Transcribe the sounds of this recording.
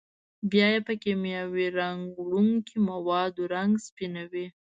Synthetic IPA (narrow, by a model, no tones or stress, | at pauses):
bjɑjepəkimijɑwiɾaŋɡɽuŋkʰimawɑd̪oɾaŋɡspinawi